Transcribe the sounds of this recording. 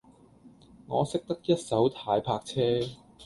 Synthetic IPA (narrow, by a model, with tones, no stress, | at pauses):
ŋɔː˨˧sɪ˥k̚t̪ɐ˥k̚jɐ˥t̚sɐ˨˥wt̪ʰaː˧jpʰaː˧k̚t͡sʰɛː˥